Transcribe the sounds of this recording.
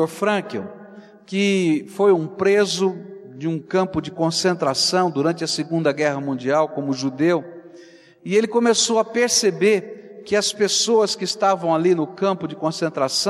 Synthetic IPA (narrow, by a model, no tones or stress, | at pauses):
oɾfɾɐ̃kõ̰ | kɪfojũpɾezʊd͡ʒɪũkɐ̃mpʊd͡ʒɪkõsẽnt̪ɾasɐ̃w̃d̪uɾɐ̃nt͡ʃɪɐsɪɡũnd̪ɐɡɛɦɐmũnd͡ʒiawkõmʊʒud̪ew | ɪelɪkõmesowɐpeɾsebeɾkɪɐspesoɐskɪːst̪avɐ̃w̃alinʊkɐ̃mpʊd͡ʒɪkõsẽnt̪ɾasɐ̃